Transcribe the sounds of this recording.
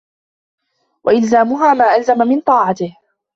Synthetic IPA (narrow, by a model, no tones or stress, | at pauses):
wʔa̰ʔɪlzaːmʊɦaːmaːʔalzamamɪnt̪ˤɑːʕɑt̪ɪh